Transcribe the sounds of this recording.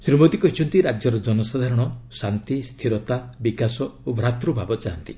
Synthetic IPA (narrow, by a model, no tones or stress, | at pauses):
sɾimot̪ikɔɦit͡ʃʰɔnt̪iɾad͡ʒjɔɾɔd͡ʒɔnɔsad̪ʱaɾɔɽ̃ɔsant̪ist̪ʰiɾɔt̪abikasɔobʱɾat̪ɾubʱabɔt͡ʃaɦɔnt̪i̥